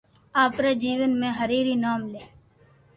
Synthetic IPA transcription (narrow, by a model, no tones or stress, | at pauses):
aːpɾeːd͡ʒiːʋənmẽːɦəɾiːɾiːnaːmleː